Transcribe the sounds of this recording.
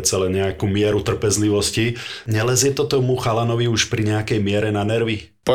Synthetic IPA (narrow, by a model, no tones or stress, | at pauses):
t͡sɛlɛɲɛakumɪɛɾut̪r̩pɛzliʋɔsciɲɛlɛzjɛt̪ɔt̪ɔmuxalanɔʋiuʃpɾiɲɛakɛjmɪɛɾɛnanɛɾʋi | pɔ